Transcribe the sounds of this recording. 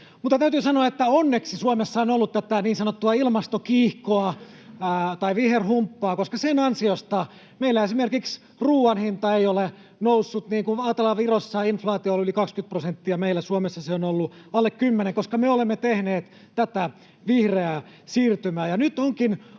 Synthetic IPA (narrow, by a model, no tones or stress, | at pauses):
mut̪ːɑt̪æyt̪yːsɑnoɑet̪ːæonːeksisuomesːɑonolːut̪t̪æt̪æniːnsɑnot̪ːuɑilmɑst̪okiːhkoɑ | t̪ɑiʋiherhumpːɑːkoskɑsenɑnsiost̪ɑ | meilːæesimerkiks | ruːɑnhint̪ɑeiole | nousːut̪niːŋkunɑːt̪elːɑʋirosːɑinflɑːt̪iolylikɑkskyt̪̚prosent̪ːiɑmeilːæsuomesːɑseonolːuɑlːekkymːeneŋkoskɑmeolemːet̪ehneːt̪ | t̪æt̪æ | ʋihreæ | siːrt̪ymæːjɑnyt̪oŋkin